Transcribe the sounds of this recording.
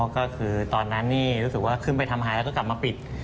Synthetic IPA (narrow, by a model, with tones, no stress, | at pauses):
kɔː˥˩kʰɯː˧t̪ɔː˧nːa˦˥nːiː˥˩ɾuː˦˥sɯ˨˩k̚waː˥˩kʰɯ˥˩np̬a˧jt̪ʰa˧mɦaː˧jlɛ˦˥kːɔː˥˩kla˨˩p̚maː˧pi˨˩t̪̚